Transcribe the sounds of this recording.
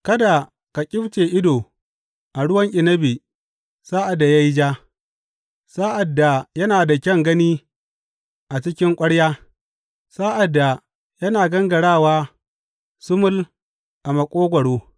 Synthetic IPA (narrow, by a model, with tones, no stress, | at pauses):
kɐ˦da˨ | ka˨kʲʼɪ˦ɸt͡ʃeː˨ʔɪ˦doː˨ | ʔa˨ɽʊ˦wɐ˦ŋʔʲɪ˨nɐ˦bi˨ | saː˦ʔa˨dːa˨ja˦ji˦d͡ʒaː˦ | sa˦ʔa˨dːa˨jɐ˦naː˨da˨kʲɐ˦ŋɡɐ˦niː˦ | ʔa˨t͡ʃɪ˦kʲɪ˦ŋkʷʼɐ˦ɽjaː˦ | sa˦ʔa˨dːa˨ | jɐ˦naː˨ɡɐ˦ŋɡɐ˨ɽaː˦˨waː˦ | sʊ˦mʊ˦l | ʔa˨mɐ˨kʷʼoː˦ɡʷɐ˨ɽoː˦